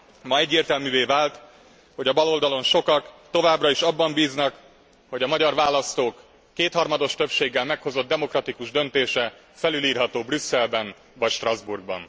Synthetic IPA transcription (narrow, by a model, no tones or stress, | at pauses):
mɒɛɟːeːrt̪ɛlmyːveːvaːlt̪ | hoɟɒbɒlo̞ld̪ɒlo̞nʃo̞kɒkt̪o̞vaːbrɒiʃɒbːɒmbiːznɒk | ho̞ɟɒmɒɟɒrvaːlɒst̪oːkː | eːt̪hɒrmɒd̪o̞ʃt̪ø̞pʃeːɡːɛlmɛkho̞zo̞d̪̚d̪ɛmo̞krɒt̪ikuʒd̪ø̞nt̪eːʃɛ | fɛlyliːrɦɒt̪oːbrysːɛlbɛn | vɒcʃt̪rɒzburɡbɒ̰n